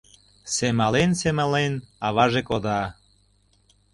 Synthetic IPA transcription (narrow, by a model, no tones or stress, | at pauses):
semɑlensemɑlenɑβɑʒekod̪ɑ